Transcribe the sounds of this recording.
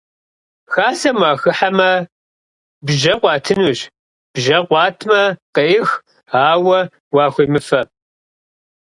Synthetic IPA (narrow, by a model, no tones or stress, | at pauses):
xaːsɐmaːxɨħamɐ | bʒɐqʷɑːtʰɨnuɕ | b̥ʒɐqʷɑːtʰmɐqeʔɪx | aːwɐ | wɑːxʷiːmɨfɐ